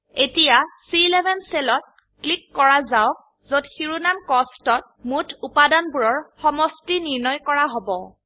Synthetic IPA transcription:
etijasilɛbʱɛnselɔt̚ | klikːɔɹazaʊk̚ | zotxiɹunamkɔstɔt̚mutʰupadanbuɹɔɹxɔmɔstiniɹnɔjkɔɹaɦobɔ

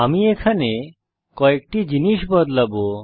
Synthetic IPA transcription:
amiekʰane | kɔek̚ʈid͡ʑiniʃbɔd̪labo

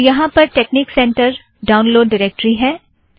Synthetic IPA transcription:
jɐɦãpɐɾʈeːkniːksɛ̃ːɳʈəɾ | ɖaːʊ̃nloːɖːɪɾeːk̚ʈɾiɦɛː

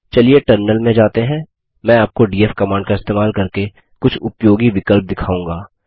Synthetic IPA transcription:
t͡ʃɐlieʈɐɾnəlmẽd͡ʒaːt̪eɦɛ̃ː | mɛ̃ːaːp̚koɖiːefkɐmaːɳɖkaɪst̪eːmaːlkɐɾke | kʊt͡ʃʰʊpjoːɡiʋɪkəlp̚d̪ɪkʰaːũːŋɡaː

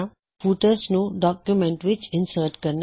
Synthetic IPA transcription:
puʈəsnodɔkjumɛ̃ntwit͡ʃĩnsətkən

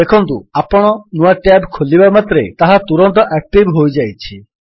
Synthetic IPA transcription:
ekʰɔnt̪uapɔɽ̃ɔnuaʈabkʰolibamat̪ɾḛt̪aɦat̪uɾɔnt̪̬ɔʔɛk̚ʈibɦojd͡ʒajt͡ʃʰi

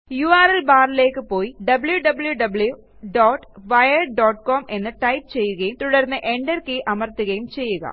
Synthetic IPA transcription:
juaːɾelbaːɾile̞ːkːɨpo̞ːjiɖɐbɨljuɖɐbɨljuɖɐblju | ɖoːʈːʋɐjɐɖoːʈkoːme̞nːɨʈɐjp̚t͡ɕe̞jːuɣɐjumt̪uɽɐɾnːɨʔe̞ɳɖɐrkeʔɐmɐrt̪uɣɐjumt͡ɕe̞jːuɣɐ̰

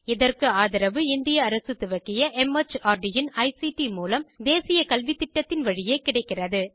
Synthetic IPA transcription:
ɪðɐrkɯaːðɐɾɐʋɯɪnd̪ɪjɐːɾɐsɯt̪ɪʋɐkːɪjɐʔɛmɐt͡ʃaːɾɖɪjɪnɐɪsiʈimuːlɐmd̪eːsɪjɐkɐlʋɪt̪ːɪʈːɐt̪ːɪnʋɐɻɪjeːkɪɽɐɪkːɪrɐðɯ

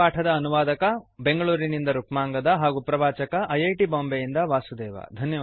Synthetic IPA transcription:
aːʈʰɐd̪ɐːnuʋaːd̪ɐkɐbe̞ŋɡɐɭuːɾinind̪ɐɾukmaːŋɡɐd̪ɐɦaːɡupɾɐbaːt͡ʃɐkɐʔɐjɐjʈiboːmbɛjind̪ɐʋaːsud̪ɛːʋɐ̰d̪ʱɐnjɐ

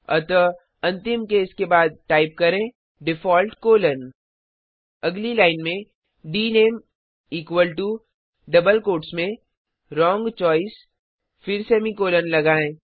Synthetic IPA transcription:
ɔ̰t̪ɔ | ɐ̃nt̪ɪmkeːskebaːd̪̚ʈaːɪp̚kɐɾẽ | ɖɪfɔːlʈkoːlən | ɐɡlilaːɪnmẽ | ɖiːneːm | iːkwəlʈu | ɖɐbəlkoːʈsmẽ | ɾɔ̃ːŋɡt͡ʃɔːɪs | fɪɾsɛːmikoːlənlɐɡaːẽː

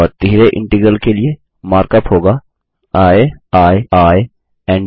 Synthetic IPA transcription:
ɔɾt̪iɦɾeʔɪ̰̃ɳʈəɡɾəlkelie | maːɾkəpɦoːɡaː | aːeaːeaːe | ɛ̃ːɳ

